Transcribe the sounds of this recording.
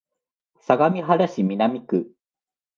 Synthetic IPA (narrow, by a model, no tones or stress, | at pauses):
saɡamʲiɦaɾaɕimʲinamʲikɯ̟